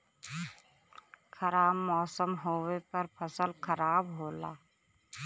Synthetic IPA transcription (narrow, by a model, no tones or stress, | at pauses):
kʰəɾaːbmɔːsəmɦoːwepɐɾpʰəsəlkʰəɾaːbɦoːla̰ː